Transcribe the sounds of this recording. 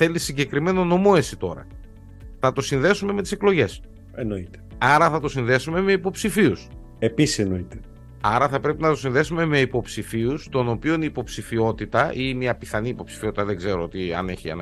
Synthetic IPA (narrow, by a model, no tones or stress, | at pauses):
θe̞lisːiɲɟe̞kɾime̞no̞no̞mo̞e̞sit̪o̞ɾɐ̰ | θɐt̪o̞sinðe̞sume̞me̞t̪ise̞klo̞ʝe̞s | eno̞it̪e̥ɐɾɐθɐt̪o̞sinðe̞sume̞me̞ipo̞psifius | episi̥senoit̪e | ɐɾɐθɐpɾe̞pinɐt̪o̞sinðe̞sume̞me̞ipo̞psifiust̪o̞no̞pio̞niːpo̞psifio̞t̪it̪ɐʔimiɐpiθɐniːpo̞psi̥fio̞t̪it̪ɐðeɡze̞ɾoot̪iɐ̰ne̞çiɐ̰nɐ